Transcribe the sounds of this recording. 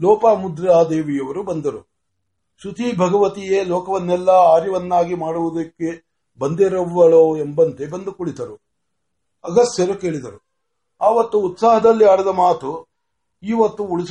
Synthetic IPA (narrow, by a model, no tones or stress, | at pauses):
lɔːpamud̪ɾaːd̪eːʋijɐʋɐɾubɐnd̪ɐɾu | sut̪ibʱɐɡɐʋɐt̪ijeːlɔːkɐʋɐnːɛlːɐaːɾjɐʋɐnːaːɡimaːɽuʋud̪ɐkːe̞ | bɐnd̪eɾɐʋːɐɭoembɐnt̪e̞bɐnd̪ukuɭit̪ɐɾu | ɐɡɐsjɐɾuke̞ːɭid̪ɐɾu | aːʋɐt̪ːuːt̪saːɦɐd̪ɐlːiaːɽiɐd̪ɐmaːt̪u | iːʋɐt̪ːuuɭis